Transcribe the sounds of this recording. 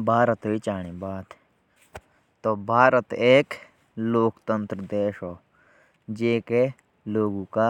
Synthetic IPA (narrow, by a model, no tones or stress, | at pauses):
bʱaːɾət̪ɦoit͡ʃaːɽ̃ebaːt̪ | t̪obʱaːɾət̪eːk | loːkt̪ə̃nt̪ɾəd̪eːʃɦoː | d͡ʒeːke | loːɡõka